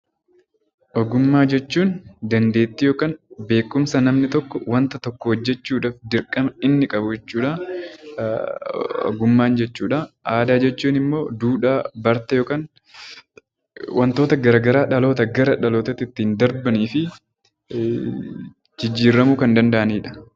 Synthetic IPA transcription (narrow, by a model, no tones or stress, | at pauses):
ʔɔɡʊmːaːd͡ʒɛt͡ʃːuːnd̪ɐnd̪e̞ːt̪ːɪjo̞ːkaːnbe̞ːkːʊmsɐnɐmnɪt̪ɔkːɔwɐnt̪ɐt̪ɔkːɔhɔd͡ʒːɛt͡ʃːuːᶑaːfd̪ɪɾkʼɐmɐɪnːɪkʼɐbʊd͡ʒɛt͡ʃːuːᶑɐ | ɔ̰ɡʊmːaːnd͡ʒɛt͡ʃːuːᶑɐʔaːd̪aːd͡ʒɛt͡ʃːuːnɪmːo̞ːd̪uːᶑaːbɐɾt̪ɐjoːkaːn | wʔɐnt̪o̞ːt̪ɐɡɐɾaːɡɐɾaːᶑɐlo̞ːt̪ɐɡɐɾɐᶑɐloːt̪ɐt̪ːɪt̪ːiːnd̪ɐɾbɐniːfɪ | d͡ʒɪd͡ʒːiːɾːɐmuːkɐnd̪ɐnd̪ɐʔɐniːᶑɐ̥